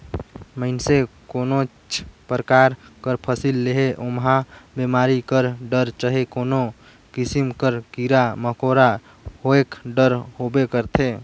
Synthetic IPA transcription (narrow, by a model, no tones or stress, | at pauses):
məɪnsekono | t͡ʃʰpɾəkaɾkəɾpʰəsilːeɦeʔomɦãbemaɾikəɾɖəɾt͡ʃəɦekono | kisimkəɾkiɾaməkoɾa | hoekɖəɾhobekəɾt̪ʰe